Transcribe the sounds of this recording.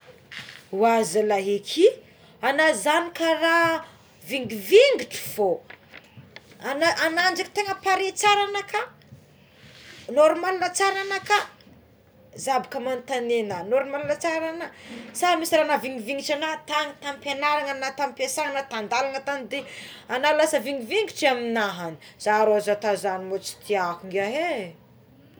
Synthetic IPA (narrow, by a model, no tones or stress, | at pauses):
uazalaɦekʰi | anazanikara | viŋɡiviŋɡiʈ͡ʂu̥fo | ananaɳɖ͡ʐaki̥t̪eŋəpaɾet͡saɾanakʰa | noɾmalunət͡saɾanaka | zabikəmant̪anenənoɾumalunat͡saɾanəsaɾəmisiɾanaviŋɡiviŋɡit͡ʃanat̪aŋit̪ampenaɾaŋanat̪ampesaɾanat̪and̪alaŋət̪anid̪eanalulasəviŋɡiviŋɡiʈ͡ʂiaminaɦani̥z̥aɾozat̪azanimot͡si̥t̪ʰiakuŋɡaɦe